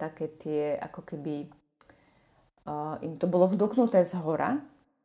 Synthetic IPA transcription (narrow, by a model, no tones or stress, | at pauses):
t̪akɛːt̪ɪɛʔa̰kɔkɛbi | ʔimt̪ɔbɔlɔvd̪uknut̪ɛːzɦɔɾʔa̰